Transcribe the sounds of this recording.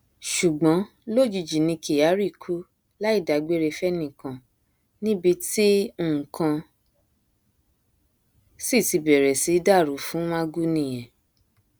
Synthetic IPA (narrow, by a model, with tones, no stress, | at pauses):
ʃu˨ɡ͡bɔ̃˨˦ | lo˦˨d͡ʒi˧d͡ʒi˨nĩ˧ke˨ja˨˦ɾi˦˨kʰu˦ | la˦i˦˨da˨ɡ͡be˦ɾe˧fɛ˦nĩ˦˨kã˨ | nĩ˦bi˧ti˦˨kʰã˧ | si˦˨ti˧bɛ˨ɾɛ˨si˨˦da˦˨ɾu˨˦fũ˨˦mã˦ɡu˦nĩ˦˨j̃ɛ̃˨